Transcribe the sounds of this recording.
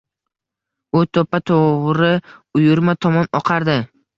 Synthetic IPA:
ʊt̪ʰopat̪ʰoʁɾɪʊjʊɾmat̪ʰɒmɒnɒqʰaɾd̪ɪ

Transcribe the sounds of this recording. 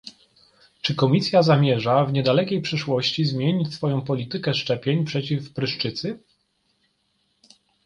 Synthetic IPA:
t͡ʂɘkɔmʲisʲjazamʲjɛʐavɲɛd̪alɛkʲejpʂɘʂwɔɕt͡ɕizmʲjeɲit͡ɕsfɔjɔ̃w̃pɔlʲit̪ɘkɛʂt͡ʂɛpʲjeɲpʂɛt͡ɕifpɾɘʂt͡ʂɘt̪sɘ

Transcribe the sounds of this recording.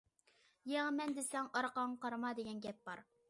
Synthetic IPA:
jɛŋmɛnd̪esɛŋɑɾqɑɴqʰɑɾmɑd̪eɡʲɛnɡʲɛp̚bɑɾ

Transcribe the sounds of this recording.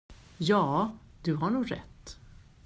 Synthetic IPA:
jɑːd̪̥ɵɦaɳuːɡɾɛ̰t̪ː

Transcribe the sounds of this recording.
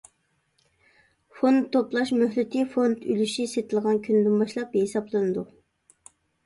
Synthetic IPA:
font̪ʰːoplˠɑʃmøhlɪt̪ʰifond̪ylyʃiset̪ʰɪlˠʁɑnkʲʰynd̪ɪmbɑʃlˠɑp̚ɦesɑblˠɨnɨd̪u

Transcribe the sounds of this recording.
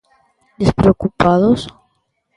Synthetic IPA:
d̪espɾeokupaðos

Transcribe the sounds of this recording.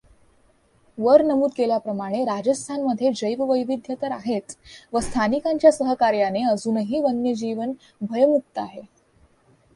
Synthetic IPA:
ʋəɾnəmuːd̪̚keljapɾəmaɽ̃eɾad͡ʑəst̪ʰanməd̪ʱːjed͡ʑəjʋʋəjʋid̪ʱjət̪əɾaɦet̪ʋəst̪ʰanikaɲt͡ɕjasəɦəkaɾjaneəd͡zuːnɦiːʋənːjəd͡ʑiʋən | bʱəjmuk̚t̪əaɦe

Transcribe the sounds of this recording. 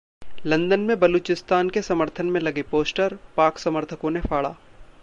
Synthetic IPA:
lɐ̃nd̪ənmẽbɐluːt͡ʃɪst̪aːnkesɐməɾt̪ʰənmẽlɐɡepoːsʈəɾpaːksɐməɾt̪ʰəkõnefaːɭa̰ː

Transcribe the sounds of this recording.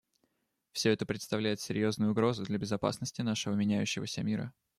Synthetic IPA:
fsʲɵɛt̪əpɾʲɪt̪st̪ɐvlʲæjɪt̪sʲɪɾʲjo̞znʊjʊɡɾo̞zʊd̪lʲəbʲɪzɐpa̰snəsʲtʲɪnaʂɨvəmʲɪnʲæjʉɕːɪvəsʲəmʲiɾə̰

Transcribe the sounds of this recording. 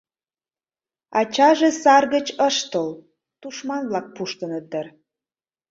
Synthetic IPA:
ɑt͡ɕɑʒesɑrɣət͡ɕəʃt̪əl | t̪uʃmɑnβlɑk̚puʃt̪ə̆nəd̪ər

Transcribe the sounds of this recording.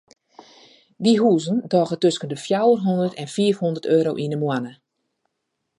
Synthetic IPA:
diɦuːzəndɔːɣətøskəndəfjawərɦɔndərtʰɛnfiːəfhondərtøːɾowʔinəmwanə

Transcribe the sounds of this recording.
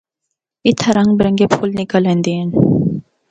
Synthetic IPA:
it̪ʰɐɾɐŋɡbɾɐŋɡepʰulnikəlend̪in

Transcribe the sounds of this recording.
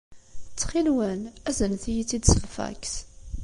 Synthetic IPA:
t͡sːχilwənæzənθijit͡sːid̪səʁfæ̰kθ

